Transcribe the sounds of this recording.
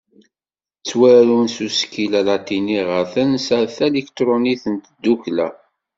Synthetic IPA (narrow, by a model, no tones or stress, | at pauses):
t͡sːwæɾunsuskilælat̪iniʁəθənsæθælikt̪ɾˤoniθənt̪d̪ːuklæ̰